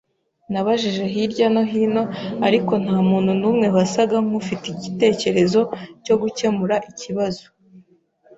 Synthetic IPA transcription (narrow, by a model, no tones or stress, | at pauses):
naβaʒiʒe̞ɦiɾɟano̞ɦiːno̞aɾiko̞n̥haːmuːn̥hunuːmŋe̞βasaɡaŋ̥ufitiɟite̞ːce̞ɾe̞zo̞co̞ɡuce̞muɾaʔiciβazo